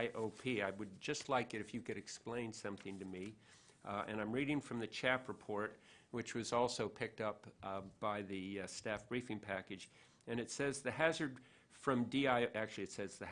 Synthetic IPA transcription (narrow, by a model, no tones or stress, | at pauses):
ɪʔoʊpʰiaɪwɨd̚d͡ʒʌstˡlaɪkɨɾɨfjɨkɨɾɨksplẽɪ̃nsʌ̃mθɪ̃ŋtɨmi | ɨ̰̃ɾ̃nãɪ̃mɹiɾɪ̃ŋfɹʌ̃mðɨt͡ʃʰæpɹɨpʰɔɹt̚wɨt͡ʃwʌzɔlˠsoʊpʰɪk̚tʌpb̥aɪðɨstæfb̥ɹifɪ̃ŋpʰækɨd͡ʒ | ɨ̃ñɨtsɛzðɨɦæzə˞d̥ | fɹʌ̃mdiaɪʔæk̚t͡ʃʉl̩ˠiɨtsɛzðɨ